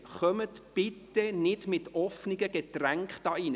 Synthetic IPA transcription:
χœmətb̥ɪtːənɪdmɪtɔfniɡəɡ̥etræŋkχd̥ɑːin

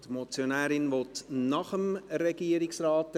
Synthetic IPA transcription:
tmot͡sjonæːɾɪnʋɔtnɑχəmɾɛɡiəɾɪksrɑːt

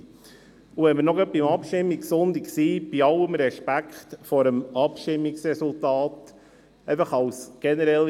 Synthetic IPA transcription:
uʋɛnməɾnɔɡɑt̚bimɑpʃtɪmːiksʊnd̪iksiːb̥iɑləmɾɛʃpækχtfɔɾəmɑpʃtɪmːiksɾɛsultɑːt | ɛɪfɑχɑwsɡ̥ɛnɛɾɛl

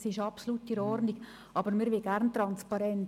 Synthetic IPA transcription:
sɪʃɑpsoluːtːiɾɔɾniɡ̥ | ʔɑbəɾmɪɾʋɪɡæɾnt̪ɾɑnspɑɾɛnt

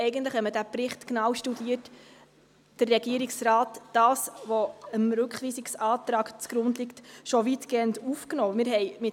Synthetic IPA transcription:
ɛɪɡəntləχhɛmədæpɾɪχtknɑːwʃtudiːət | d̥ərːɛɡiəɾiksrɑːtd̥ɑːsʋoɔəmɾʉkχʋiːsiksɑːtɾɑːkt͡sɡ̥ɾʊndliktʃovitɡ̥eːəndufknoːmɪɾɦɛjmɪ

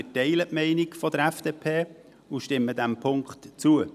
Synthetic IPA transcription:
ətɛɪləʔmɛɪnɪkfɔd̥̪əɾæfd̥eːpʰeː | uʃtɪmːəd̪æmpʰʊŋkχtt͡suə

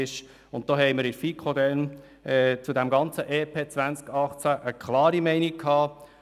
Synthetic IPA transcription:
ɪʃ | ʊnt̚d̥oːɦɛɪməɾɪfiːkχod̪ɛn | ɛt͡sudæmɡɑnt͡səʔeːpʰeːt͡svænt͡skɑχt͡sæʔəkʰlɑːɾimɛɪnikʰhɑː

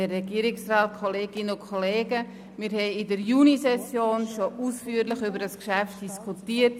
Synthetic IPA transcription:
ərːɛɡiəɾɪksraːt̚kʰoleːɡɪnəʊnkʰoleːɡə | miɾhɛɪɪdəɾjunisɛsjoːnʃoʔuːsfyːəɾləχybəɾdəskʃæft̚d̥iskʰutiːət̚

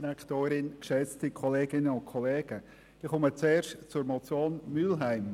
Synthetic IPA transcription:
ɾakʰtoːɾɪnkʃɛt͡stikʰɔleːɡɪnəʊnt̚kʰɔleːɡ̥ə | d̥iχʊmət͡seːɾʃtt͡sʊɾmɔt͡sjoːnmylɦaɪm

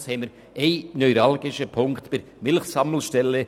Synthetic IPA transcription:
shɛməɾ | ʔeɪnœʏɾɑlɡɪʃəpʰʊŋktpɪɾ | mɪlxsɑml̩ʃtɛlːə

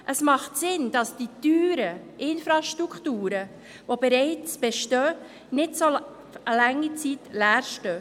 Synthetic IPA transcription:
ʔəsmɑχtsɪnd̥ɑsd̥ityːɾə | ʔɪnfɾɑʃtɾukχtuːɾə | vobɛɾɛɪt͡sb̥ɛʃtœ | nɪdso | əlɛŋːit͡sitlæːɾʃtœ

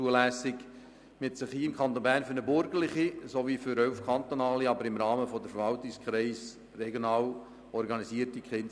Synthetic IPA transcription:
uəlæsɪɡ | mɪtsɪχhiːɪmkʰχɑnt̪onbæːɾnfyɾnəbʏɾɡəlɪχisoviːfʏɾœlfkʰɑnt̪onɑːliɑbəɾɪmɾɑːməfɔdəfəɾvɑltɪkskχɾɛɪs | rɛɡjonɑːl | ɔɾɡɑnisiːəɾtikχɪn

